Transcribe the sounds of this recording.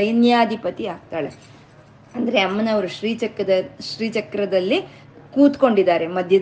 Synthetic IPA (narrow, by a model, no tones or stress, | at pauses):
ɐjinjaːd̪ʱipɐt̪iaːɡ̚t̪aːɭe | ɐnd̪ɐɾe̞ɐmːɐnɐʋɐɾuʃɾiːt͡ʃɐkɐd̪ɐʃɾiːt͡ʃɐkɾɐd̪ɐlːi | kuːt̪ko̞ɳɖid̪aːɾemɐd̪ʱjɐ